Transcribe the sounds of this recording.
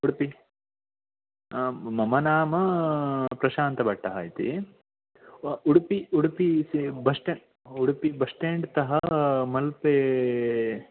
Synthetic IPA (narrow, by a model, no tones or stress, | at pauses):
uɽpi | mɐmɐnaːmɐ | pɾɐʃaːnt̪ɐbɐʈːɐɦa̰ːjit̪ḭ | uɽpiuɽpisibɐʂʈeɳ | uɽpibɐʂʈeːɳɖt̪ɐɦɐmɐlpeː